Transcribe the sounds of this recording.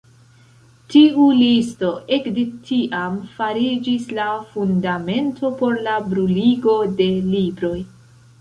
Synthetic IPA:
tiulisto̞ʔekde̞tʰiʔamfaɾid͡ʒislafundame̞ntʰo̞po̞ɾlabɾuliɡo̞de̞libɾo̞j

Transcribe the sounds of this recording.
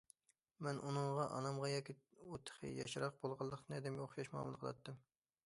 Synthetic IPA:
mɛnʔunɨɴʁɑʔɑ̰nɑmʁɑjɑːkʲiut̪ʰə̥χʰə̰jɑ̰ʃɾɑq̚bolˠʁɑlˠːəqt̪ɨnɛd̪ɪmɡʲɛoχʃɑʃmɑ̰ːmɨlˠqʰəlˠɑ̰t̪ʰːɨm

